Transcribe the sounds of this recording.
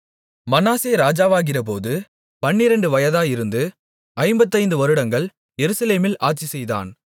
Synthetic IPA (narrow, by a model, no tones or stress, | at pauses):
mɐnaːseːɾaːd͡ʒaːʋaːɣɪrɐp̬oːðɯ | pɐnːɪɾɐɳɖɯʋɐjɐðaːjɪɾɯnd̪ɯ | ɐɪmbɐt̪ːɐɪnd̪ɯʋɐɾɯɽɐŋɡɐɭ | jɛɾɯsɐleːmɪlʔaːʈ̚t͡ʃisɛjða̰ːn